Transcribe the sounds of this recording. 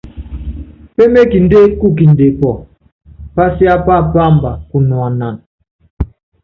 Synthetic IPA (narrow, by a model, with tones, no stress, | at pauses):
pe˦me˦ki˨n˦de˦ku˦˨ki˨n˨de˨pɔ˨ | pa˦si˦a˦pa˦˨pa˦˨mba˨ku˨nɔ˨a˨na˨n